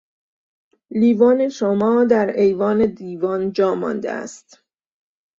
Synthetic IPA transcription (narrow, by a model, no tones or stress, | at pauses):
liːvɒːne̞ʃomɒːd̪æɾhejvɒːne̞d̪iːvɒːnd͡ʒɒːmɒ̰nd̪ḛʔæ̰st̪